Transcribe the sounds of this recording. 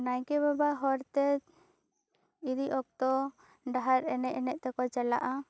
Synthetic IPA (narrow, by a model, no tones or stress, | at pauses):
najkɛβabaɦɔɾt̪ɛ | iɾiʔɔk̚t̪ɔ | ɖaɦaɾɛnɛʔɛnɛʔ̚t̪ɛkɔt͡ʃɛla̰ʔa